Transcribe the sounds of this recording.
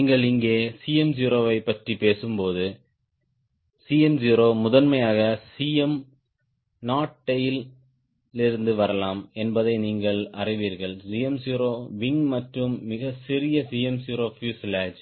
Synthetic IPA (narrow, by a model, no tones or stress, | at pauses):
iːŋɡɐɭɪŋɡeːsiːɛmd͡ʒiːɾoːʋɐɪpːɐʈripeːsɯmpoːðɯ | siːɛmd͡ʒiːɾoːmʊðɐnmɐjaːɣɐsiːɛm | naːʈːɐjɪl | ɪɾɯnd̪ɯʋɐɾɐlaːmɛnbɐðɐɪniːŋɡɐɭɐrɪʋiːɾɣɐɭsiːjɛmsiːɾoːʋɪŋmɐʈrɯmːɪɣɐsɪɾɪjɐsiːɛmsiːɾoːfjuːslaːd͡ʒ